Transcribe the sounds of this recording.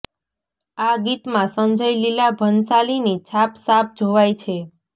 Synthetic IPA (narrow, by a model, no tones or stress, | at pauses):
aɡit̪mãsə̃nd͡ʒəjlilabʱənsalinit͡ʃʰapsap̚ʰd͡ʒʱoʋajt͡ʃʰe